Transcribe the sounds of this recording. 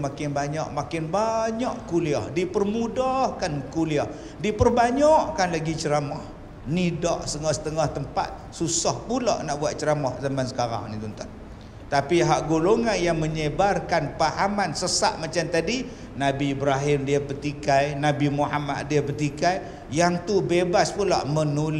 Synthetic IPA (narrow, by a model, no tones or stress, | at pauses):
makɪnbaɲɔ̰ʔmakɪnbaɲɔʔkuliɔhdipərmudɔhkankuliɔh | dipərbaɲɔʔkanlaɡit͡ʃəɾamɔh | nidɔʔsəŋɔhsə̥t̪əŋɔht̪əmpa̰t̪̚susɔhpulɔ̰ʔnaʔbuat̪̚t͡ʃəɾamɔhzamansə̥kaɾa̰ŋnit̪unt̪an | t̪apiɦaʔɡoloŋanjaŋməɲəbarkanpahamansəsa̰ʔ̚mat͡ʃamt̪adi | nabiːbɾaɦɪmdiapərt̪ikajnabimuɦa̰ma̰t̪̚diapərt̪ikaj | jaŋt̪ubebaspulɔ̰ʔmənul